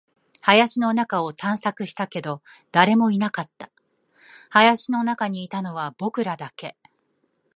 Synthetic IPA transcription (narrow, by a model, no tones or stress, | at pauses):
hajaɕino̞nakao̞t̪ãɰ̃sakɯ̟ɕi̥t̪ake̞d̪o̞ | d̪̥aɾe̞mo̞inakat̪ːḁ | hajaɕino̞nakaɲ̟iːt̪ano̞βab̥o̞kɯ̟ɾad̪ake̞